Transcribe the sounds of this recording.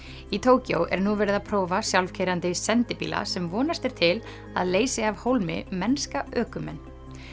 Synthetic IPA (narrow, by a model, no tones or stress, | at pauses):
it̪ʰoːwco̰wʔɛ̰ɾnuvɛːɾɪðaðpʰɾoːwvasjawlfcʰejɾant̪ɪsɛnt̪ɪpḭːla̰sɛmvɔːnast̪ɛɾ̥t̪ʰɪl | a̰ðleːjsɪavhowlmɪ̰mɛnskaœːkʏmɛnː